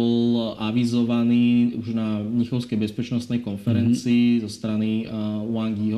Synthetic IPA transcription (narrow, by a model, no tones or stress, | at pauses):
ɔlaʋizɔʋaniːuʒnaɲixɔʊskɛjbɛspɛt͡ʃnɔst̪nɛjkɔnfɛɾɛnt͡siːzɔst̪ɾaniʊaŋɡjiɦ